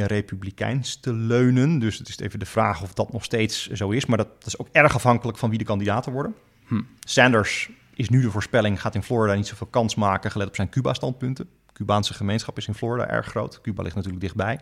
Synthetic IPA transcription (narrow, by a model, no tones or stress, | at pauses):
ərejpyblikɛ̰jnstəløɥnəndɵstɪstḛjvəndəv̥raːχɔfdɑtnɔχstejtszowɪsmaːddtɪ̥sowkɛɹχɑfɦɑŋkələkfɑnʋidəkɑndidaːtənʋɔɹdən | sɛndəɹs | ʔɪsnydəvʊːɹspɛlɪŋχaːtɪnfloːɹidaːnitsowvɪːlˠkɑnsmaːkəχəlɛtɔ̥psɛjnkyba̰ːstɑnt̚pɵntə | kybaːnsəχəmejnsχɑpɪsɪnfloːɹida̰ːʔɛ̰ɹχːro̰wtkyba̰lɪχtnatyːɹləɡdɪχd̚bɛj